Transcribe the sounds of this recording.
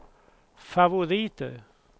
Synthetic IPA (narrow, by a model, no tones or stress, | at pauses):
favʊɾiːt̪ə̰